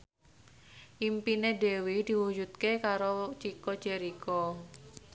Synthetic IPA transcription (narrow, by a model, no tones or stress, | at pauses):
ʔimpinede̤wid̪̥i̤wud͡ʒut̪̚kekaɾot͡ʃikɔ̥d͡ʒ̥eɾikɔ